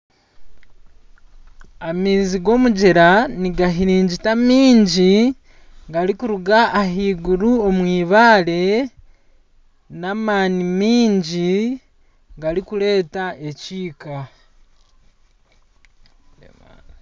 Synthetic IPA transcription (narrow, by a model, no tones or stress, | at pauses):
amiːziɡo̞muɟeɾaniɡaɦiɾiːɲɟitamiːɲɟi | ɡaɾikuɾuɡaʔːɦiːɡuɾuomwiːβaːle̞ | naːmaːnimiːɲɟi | ɡaɾikule̞ːtaʔe̞ciːka